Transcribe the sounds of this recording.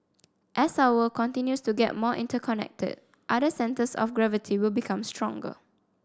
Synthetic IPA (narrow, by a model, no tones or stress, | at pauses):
ʔɛsawəkɔ̃ntĩnjustuɡɛ̰t̚mɔʔḭ̃ntəkʰɔnɛ̰k̚tə̰d̚ | ʔadəsɛ̃ntəsɔ̰fɡɹɛvitʰiwɪlbikʰãmstɹɔ̃ŋɡə̰